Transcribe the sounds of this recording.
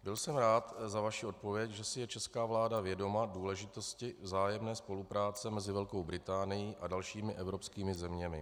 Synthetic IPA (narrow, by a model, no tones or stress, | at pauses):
bɪlsɛmɾaːt̪zavaʃio̞t̪̚po̞vjɛcʒɛsɪjɛt͡ʃɛskaːvlaːdavjɛdo̞maduːlɛʒɪt̪o̞scɪvzaːjɛmnɛːspo̞lupɾaːt͡sɛmɛzɪvɛlko̞wbɾɪt̪aːnɪjiːʔadalʃiːmɪʔɛvɾo̞pskiːmɪzɛmɲɛmɪ